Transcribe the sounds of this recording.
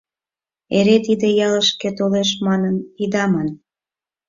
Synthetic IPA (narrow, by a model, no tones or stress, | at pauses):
eɾet̪id̪ejɑləʃket̪oleʃmɑnənid̪ɑmɑn